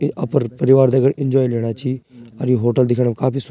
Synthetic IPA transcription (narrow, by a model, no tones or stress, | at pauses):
əpəɾpəɾɪʋaːɾd̪eːəɡəɽɪnd͡ʒɔːileːɽ̃aːt͡ʃiːaɾõɦoːʈəld̪ɪkʰːɽakaːpiːs